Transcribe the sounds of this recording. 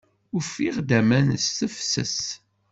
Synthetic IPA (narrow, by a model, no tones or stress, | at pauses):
ʊfiʁd̪æmænəsθəfsə̰s